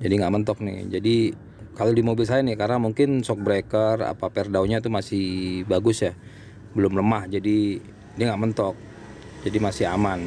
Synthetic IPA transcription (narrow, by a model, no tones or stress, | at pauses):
d͡ʒadiŋɡaʔmənt̪ɔk̚nɪ̰hd͡ʒadi | kalodimobɪls̬ajanɪhkaɾamuŋkɪnsɔk̚bɾekəra̰papɛrdauɲat̪umasɪhbaɡʊsja | bəlʊmləmahd͡ʒadi | diaŋɡaʔmənt̪ɔk̚ | d͡ʒadimasɪɦaman